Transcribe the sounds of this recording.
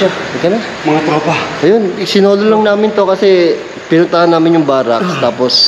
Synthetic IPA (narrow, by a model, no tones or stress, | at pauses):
aɐkɐnɐ | mɐŋat̪ɾoːpaʔɐjonɪsɪnoːlolɐŋnaːmɪnt̪o̞kɐsɛ | pɪnʊnt̪ɐʔɐnːaːmɪnjʊŋbaːɾakst̪aːpos